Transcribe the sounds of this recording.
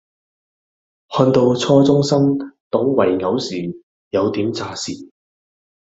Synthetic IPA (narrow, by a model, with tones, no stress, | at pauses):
hɔː˧nt̪o˧wt͡sʰɔː˧t͡sʊ˥ŋsɐ˥mt̪o˨˥wwɐ˨˩jŋɐ˨˧˥wsiː˨˩n | jɐ˨˧wt̪iː˨˥mt͡saː˧siː˨˩